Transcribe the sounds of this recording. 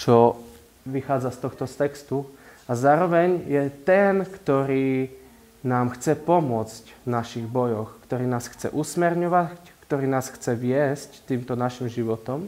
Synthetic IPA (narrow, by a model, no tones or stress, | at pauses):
t͡ʃɔ | ʋixaːd͡zast̪ɔxt̪ɔst̪ɛkst̪uazaːɾɔʋɛɲjɛt̪ɛnkt̪ɔɾiː | naːmxt͡sɛpɔmʊɔt͡scnaʃiɣbɔjɔxkt̪ɔɾiːnaːsxt͡sɛ̰ʔusmɛɾɲɔʋackt̪ɔɾiːnaːsxt͡sɛʋɪɛsct̪iːmt̪ɔnaʃimʒiʋɔt̪ɔm